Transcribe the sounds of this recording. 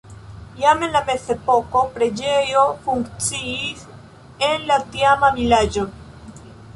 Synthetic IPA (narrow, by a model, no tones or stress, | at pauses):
jamenlamesepoko̞pɾed͡ʒejofuŋkt͡siis | enlat̪jamamilad͡ʒo